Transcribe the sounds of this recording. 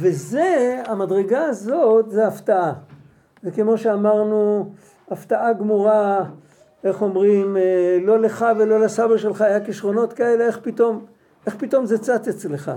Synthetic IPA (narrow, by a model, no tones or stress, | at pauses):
ve̞zeamadʁeɡaːzo̞t̪zeaft̪aʔa | zeke̞mo̞ʃeamaʁnu | aft̪aʔaɡmuʁa | e̞χo̞mʁimelo̞le̞χavelo̞lasabeʃelχaːjakiʃʁo̞no̞t̪kae̞le̞eχpit̪o̞m | e̞χpito̞mzet͡sat̪et͡sleχa̰